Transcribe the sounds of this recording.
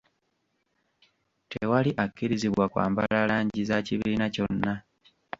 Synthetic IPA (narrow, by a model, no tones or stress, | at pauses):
tʰewaliʔakːiɾiziβwakwa̰ːmbalalaːɲɟizaciβiinaco̞nːa